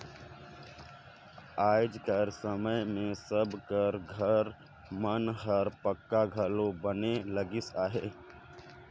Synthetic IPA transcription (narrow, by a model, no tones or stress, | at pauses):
aːd͡ʒkəɾsəməjmẽsəbkəɾɡʱəɾ | mənɦəɾpəkːaɡʱəlobəneləɡɪsaːɦeː